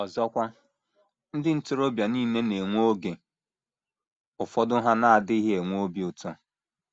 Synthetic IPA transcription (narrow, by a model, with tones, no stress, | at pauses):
ɔ˨zɔ˦kʷa˦ | n̩˦dɪ˦n̩˦tʊ˦ɾo˦bja˨ni˦ne˦ne˨ŋʷo˦ɡe˨ | ʊ˨fɔ˦dʊ˦ɦa˦na˦a˨dɪ˦i˦ɦe˨ŋʷ˦o˦bi˦ʊ˨tɔ˦